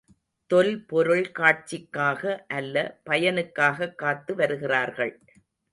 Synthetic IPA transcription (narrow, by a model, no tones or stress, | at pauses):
t̪ɔlpɔɾɯɭkaːʈ̚t͡ʃɪkːaːɣɐʔɐlːɐpɐjɐnɯkːaːɣɐkːaːt̪ːɯʋɐɾɯɣɪraːɾɣɐɭ